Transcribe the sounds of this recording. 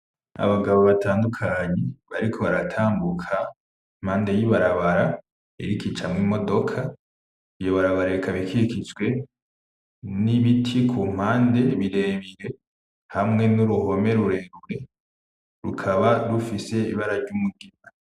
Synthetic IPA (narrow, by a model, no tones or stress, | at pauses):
a̰βaɡaβoβatʰaːndukʰaɲeβaɾikʰo̞βaɾatʰaːmbukʰa | im̥haːnde̞jiβaɾaβaɾa | ḛɾikit͡ʃamŋimo̞do̞kʰa | ijoβaɾaβaɾaikʰaβikʰiɾikizɡwe̞ | niβitʰikʰum̥haːnde̞βiɾe̞βiɾe̞ | hamŋe̞nuɾuho̞me̞ɾuɾe̞ɾuɾe̞ | ɾukʰaβaɾufise̞iβaɾaɾɟumuɡima